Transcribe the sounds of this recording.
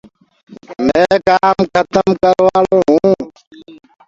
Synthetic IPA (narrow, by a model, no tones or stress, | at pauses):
mẽːkaːmkʰət̪əmkəɾʋaːlõːɦũː